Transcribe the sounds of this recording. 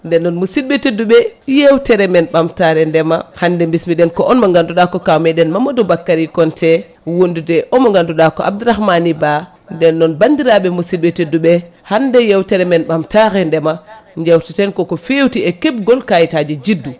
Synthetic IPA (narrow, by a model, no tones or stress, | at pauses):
ndɛnːɔnmusid̚bɛtedːuɓɛjewtɛɾɛmɛnɓamtaɾɛndɛmahandɛmbismiɗɛnkɔʔɔnmɔŋɡanduɗakɔkawmɛɗɛnmamɔdɔbakːaɾikɔntʰɛ | wondudɛʔɔmɔŋɡanduɗakɔa̰b̚duɾahmaniba | ndɛnːɔnbandiɾaɓɛmusid̚ɓɛtedːuɓɛhandɛjewtɛɾɛmɛnɓamtaɾɛndɛmaɲd͡ʒawtitɛnkɔkɔfewtiɛkɛb̚ɡɔlkajitad͡ʒɛd͡ʒidːu